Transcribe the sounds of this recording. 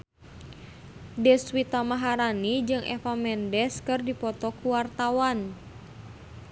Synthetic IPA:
dɛswit̪amaɦaɾanid͡ʒɨŋʔɛ̰famɛndɛskɨrdipɔt̪ɔkuwart̪awan

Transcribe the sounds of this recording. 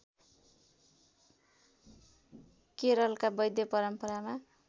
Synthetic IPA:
keɾʌlkabʌjd̪jʌpʌɾʌmpʌɾama

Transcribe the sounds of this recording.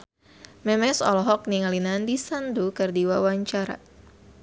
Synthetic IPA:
mɛmɛsɔ̰lɔɦɔk̚niŋalinandisandukərdiwawaɲt͡ʃaɾa̰

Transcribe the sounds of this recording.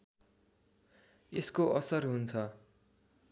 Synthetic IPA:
eskoʔʌsʌrɦunt͡sʰʌ

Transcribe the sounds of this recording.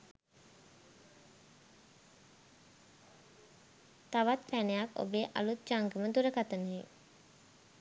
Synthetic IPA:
t̪aʋat̪fænejako̰beːʔa̰lut̪̚d͡ʒaŋɡəməd̪uɾəkat̪ənɦe

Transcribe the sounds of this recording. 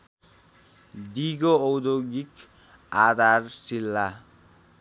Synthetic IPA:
d̪iɡoːwd̪oɡik | ad̪ʱarsilːa

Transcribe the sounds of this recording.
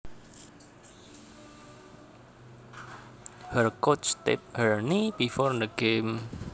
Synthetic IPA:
hərkot͡ʃsst̪ḛp̚həɹnibifɔɾnd̪əɡem

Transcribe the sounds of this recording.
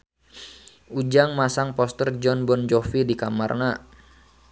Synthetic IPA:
ud͡ʒaŋmasaŋpɔst̪ərd͡ʒɔnbɔnd͡ʒɔfidikama̰rna

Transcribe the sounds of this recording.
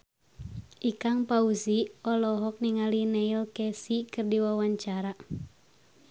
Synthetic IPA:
ʔikaŋpauziɔlɔɦɔk̚niŋalinɛilkɛsikɨrdiwawaɲt͡ʃaɾa

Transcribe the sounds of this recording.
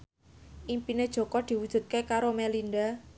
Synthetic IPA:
ʔimpined̥ʒ̥ɔ̤kɔd̪̥i̤wud̥ʒ̥ṳt̪̚kekaɾomɛlind̪a

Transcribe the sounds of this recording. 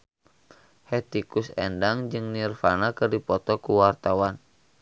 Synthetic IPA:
hɛt̪ikusɛ̰ndaŋd͡ʒɨŋnirfanakɨrdipɔt̪ɔkuwart̪awan

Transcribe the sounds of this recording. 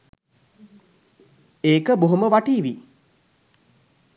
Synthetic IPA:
eːkəboɦuməʋaʈiːʋi

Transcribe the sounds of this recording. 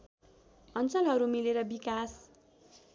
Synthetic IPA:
ʌnt͡sʌlɦʌɾumileɾʌbikas

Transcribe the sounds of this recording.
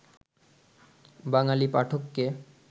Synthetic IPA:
baŋalipaʈʰokːe

